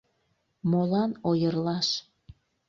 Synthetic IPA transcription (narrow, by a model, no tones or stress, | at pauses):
molɑnojərlɑʃ